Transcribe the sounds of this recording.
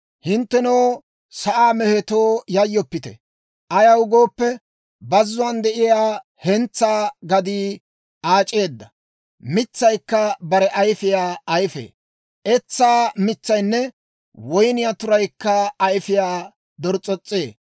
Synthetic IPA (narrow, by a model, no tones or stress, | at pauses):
hɪnt̪ːɛnɐw | sɐʔaːmɛhɛt̪oːjɐjːɔpːɪt̪ɛ̰ | ʔɐjɐwʊɡo̞ːpːɛ | bɐzːʊwɐnd̪ɛʔɪjaː | hɛnt͡sːaːɡɐd̪iː | ʔaːt͡ʃʼːe̞ːd̪ːɐ | mɪt͡sːɐjkːɐbɐɾɛʔɐjfɪjaːɐjfḛː | ʔɛt͡sːaːmɪt͡sːɐjnːɛ | wɔjnɪjaːt̪ʊɾɐjkːɐːjfɪjaː | d̪ɔɾt͡sʼɔt͡sʼːeː